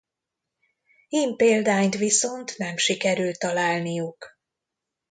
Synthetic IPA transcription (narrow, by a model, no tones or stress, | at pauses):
iːmpeːld̪aːɲt̪ʋiso̞nt̪nɛmʃikɛɾylt̪ːɒlaːlnijuk